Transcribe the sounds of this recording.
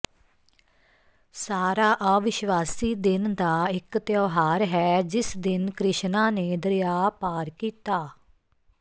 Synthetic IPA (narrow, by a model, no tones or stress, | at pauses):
saːɾaːʔaːʋɪʃʋaːsiːd̪ɪnd̪aːɪkt̪joːɦaːɾɦɛːd͡ʒɪsd̪ɪnkɾɪʃnãːneːd̪əɾɪjaːpaːɾkiːt̪aː